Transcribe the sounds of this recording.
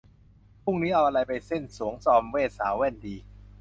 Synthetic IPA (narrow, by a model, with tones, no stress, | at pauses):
pʰu˥˩ŋniː˦˥ʔa˧wʔa˧ɾa˧jpa˧jse˥˩nsu˩˦əŋsɔː˧mweː˥˩t̪̚saː˩˦wɛː˥˩˨ndiː˨˧